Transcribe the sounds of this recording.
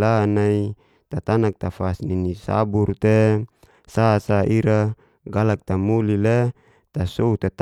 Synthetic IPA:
lanai | t̪at̪anak̚t̪afasninisa̰burt̪e | sasaʔiɾa | ɡalak̚t̪amulile | t̪asout̪at̪

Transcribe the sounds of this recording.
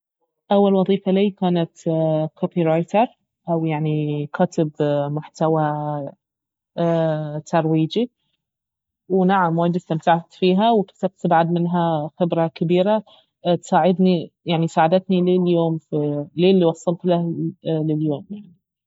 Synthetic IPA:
ʔawːalwɑðˤiːfaliːkaːnat̪kʰoːpiɾˤɑjt̪ɑɾˤ | ʔawjaʕnikʰat̪ɪbmʊħt̪awa | t̪ʰɑɾˤwiːd͡ʒi | wnaʕamwaːd̪ɪst̪amt̪aʕat̪fiːɦawk̪at̪ab̚t̪baʕad̪mɪnɦaxɪbɾɑkabiːɾa | t̪saːʕɪd̪nijaʕnisaːʕad̪at̪nileːljoːmfileːlːiwɑsˤːɑlt̪lahlɪljoːmjaʕni

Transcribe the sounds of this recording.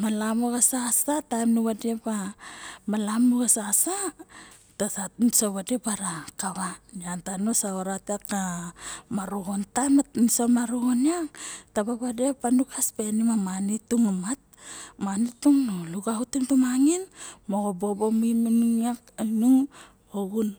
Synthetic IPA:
malamoɡasasatajmnuβadepa | malamuɡasasa | tasansoβadepaɾakaβaniantanosaoɾatakamaɾuhontajmansomaɾuhoniaŋtabaβadepanukʰaspenimamanituŋamat̚manituŋnoluɡahutumtumaŋinmoɡobo̞bo̞miminuŋakinuŋ | hoɡun

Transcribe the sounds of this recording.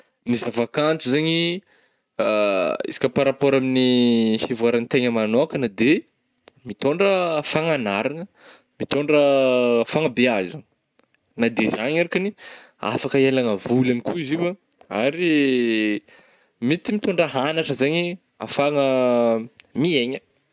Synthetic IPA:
nizavakant͡s̪uzaɲi | ḭsi̥kʲəpaɾapoɾaminihivuaɾanit̪eɲəmanoakʲənad̪e | mit̪oɳɖ͡ʐəfaŋanaɾaŋə | mit̪oɳɖ͡ʐəfaŋəbeaza | nad̪ezaɲaɾkani | a̰fakəelaŋəvulanikuiziwə | a̰ɾi | mit̪imit̪oɳɖ͡ʐəɦanaʈ͡ʂəzaɲi | a̰faŋə | mieɲə

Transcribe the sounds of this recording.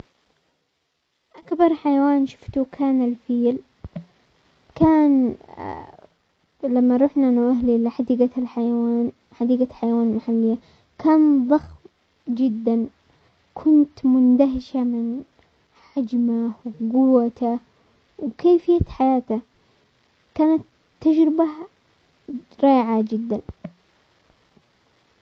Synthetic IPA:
ʔakbɑɾˤħajawaːnʃʊ̥ft̪ukʰaːnalfiːl | kaːn | lamːaɾˤuːħnanaʔaɦliʔlɪħad̪iːɡalħajawaːn | ħad̪iːɡaħajawaːnmaħalːɪjːa | kʰaːnðˤɑxm | d͡ʒɪd̪ːan | kʰʊnt̪mʊnd̪aɦɪʃamɪn | ħad͡ʒmawɡʊwːat̪a | wkeːfɪjːaħajaːt̪a | kaːnat̪ː | ad͡ʒɾɪba | ɾˤɑːʕad͡ʒɪd̪ːan

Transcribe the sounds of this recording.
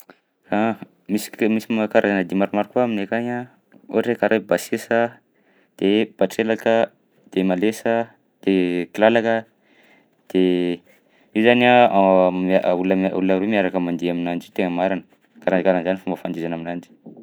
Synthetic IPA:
ka | misi̥misimakaɾazanəd̪imaɾumaɾikuaminekaɲa | uɾekaɾʔajbasesə | d̪̥eb̥aʈ͡ʂelakə | d̪̥emalesə | d̪̥ekilalakə | d̪̥e | iwzana | uləmṵlnəɾemiaɾakəmand̪iaminand͡ʒit̪eŋəmaɾanə | kaɾanikaɾanzanifumbəfand̪izanaminanɖ͡ʐi̥

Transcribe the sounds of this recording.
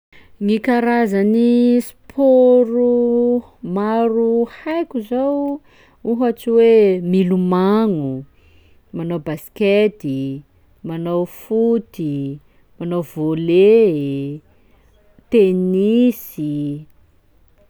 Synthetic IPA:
ŋikaɾazanis | pʰoɾu | maɾuhajkʲuzow | uɦat͡ʃiwemilumaŋu | manowbasket̪i | manawfut̪i | manowvole | t̪enisi

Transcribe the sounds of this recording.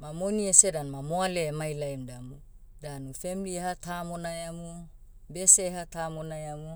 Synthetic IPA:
mamoniesedanmamoalemajlajmdamu | danufemilihatamonajamu | besehatamonajamu

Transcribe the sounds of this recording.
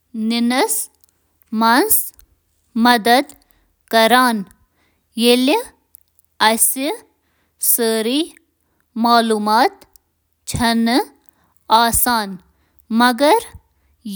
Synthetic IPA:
ninɐs | mɐns | mɐd̪ɐd̪ | kɐɾaːn | jeli | ɐsi | səːɾiː | maːluːmaːt̪ | t͡ʃʰɐn | aːsaːn | mɐɡɐɾ

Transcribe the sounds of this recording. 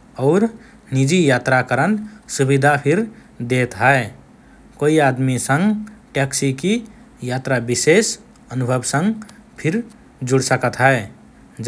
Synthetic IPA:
ɔʊɾ | nid͡ʒijat̪ɾakəɾənsubid̪ʱapʰiɾ | d̪et̪ɦəe | koiad̪misə̃ŋɡʈɛksiki | jat̪ɾabises | ənubʱəbsə̃ŋɡpʰiɾ | d͡ʒuɽsəkət̪ɦəe | d͡ʒ

